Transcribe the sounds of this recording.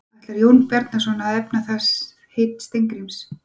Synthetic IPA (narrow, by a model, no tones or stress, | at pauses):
aht̪lɛɾjownpɛɾt̪nasɔnaðɛpnaθɛs | hejt̪st̪ejŋkɾims